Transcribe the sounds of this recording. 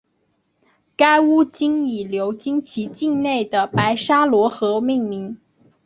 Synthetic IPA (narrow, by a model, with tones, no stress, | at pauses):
ka˥ɪu˥t͡ɕi˥ŋi˨˩ljo˧˥ʊt͡ɕi˥ŋt͡ɕʰi˧˥t͡ɕi˥˧ŋne˥˩ɪd̪ə˩pa˧˥ɪʂa˥lwɔ˧˥xɤ˧˥mi˥˩ŋmi˧˥ŋ